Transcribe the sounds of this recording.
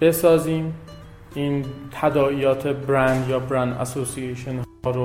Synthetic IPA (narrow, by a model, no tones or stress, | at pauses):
b̥e̞sɒːziːm | ʔiːnt̪ʰæd̪ɒːijɒːt̪ʰebɾænd̪jɒːbɾænd̪æ̰sosieʃenhɒːɾo